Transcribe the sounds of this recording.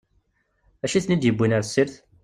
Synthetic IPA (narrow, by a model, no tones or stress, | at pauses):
æʃiθnid̪jəbʷːinaɾsːiɾθ